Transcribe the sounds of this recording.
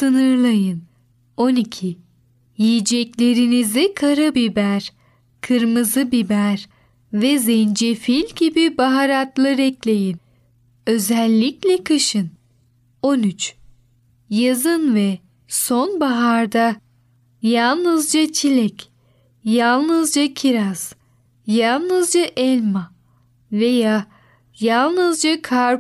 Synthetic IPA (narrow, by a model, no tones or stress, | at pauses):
sɯnɯɾlˠajɯn | o̞nicʰi | jijid͡ʒɛclʲe̞ɾinizikʰaɾɯbibæɾ | kʰɯɾmɯzɯbibæɾ | vɛzɛnd͡ʒefilʲɟibibaɦaɾat̪lˠɯɾɛclʲe̞jin | ø̞zɛlʲːiclʲɛkʰaʃɯn | o̞nyt͡ʃ | jazɯnvɛ | so̞nbaɦaɾd̪a | jalˠnɯzd͡ʒat͡ʃʰilʲɛc | jalˠnɯzd͡ʒacʰiɾaz̥ | jalˠnɯzd͡ʒaʔɛlʲma | ve̞jaː | jalˠnɯzd͡ʒakʰaɾ